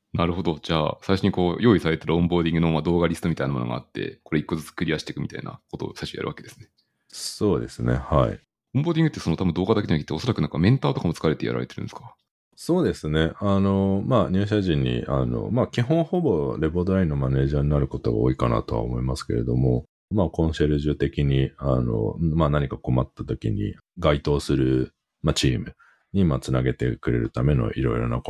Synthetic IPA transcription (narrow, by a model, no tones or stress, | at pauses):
naɾɯ̟ho̞d̪o̞d͡ʑa̰ːsaiɕo̞ɲ̟iko̞ːjo̞ːisaɾe̞t̪eɾɯõmbo̞ːd̪ʲĩŋɡɯ̟no̞mad̪o̞ːɡaɾʲisɨ̥t̪omit̪ainamo̞noɡa̰a̰t̪ːe̞̰ko̞ɾeikːo̞zɨt͡sɨ̥kɯ̟ɾʲiaɕi̥t̪e̞kɯ̟mit̪a̰ina̰ko̞t̪o̞̰saiɕoja̰ɾɯ̟βake̞d̪esɨ̥ne̞ | so̞ːd̪e̞sɨne̞̰haḭ | õmboːd̪ʲĩŋɡt̪ːeso̞not̪abɯ̃d̪o̞ːɡad̪aked͡ʑanaki̥t̪ːeo̞so̞ɾakɯnãŋkamẽ̞nt̪aːt̪okamot͡sɨ̥kaɾe̞t̪e̞ja̰ɾa̰ɾe̞t̪e̞ɾɯ̟̃nesɨ̥ka | so̞ːd̪e̞sɨne̞ano̞maɲ̟ʲɨːɕ̬aʑĩɲ̟ːḭʔa̰no̞̰makʲiɦõ̞ɰ̃ho̞bo̞ɾe̞bo̞d̪oɾaĩnːo̞mane̞ːʑaːɲ̟inaɾɯ̟ko̞t̪o̞ɡa̰o̰ːikana̰t̪o̞βa̰omo̞imasɨ̥ke̞̰ɾe̞̰d̪o̞mo̞ | maːkõ̞ɰ̃se̞ɾɯ̟ʑɨt̪e̞kʲiɲ̟iano̰maːnaɲ̟ikako̞mat̪ːat̪o̞kʲḭɲ̟ḭ | ɡait̪o̞ːsɨɾɯ̟ | mat͡ɕiːmɯ̟ | ɲ̟imaːt͡sɨnaɡe̞t̪e̞̰kɯ̟ɾe̞̰ɾɯ̟̰t̪ame̞no̞̰ʔiɾo̞̰iɾo̞̰na̰